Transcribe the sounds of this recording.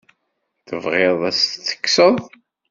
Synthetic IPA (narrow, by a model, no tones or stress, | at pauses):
θəvʁeðˤæsθːə̥kːsəðˤ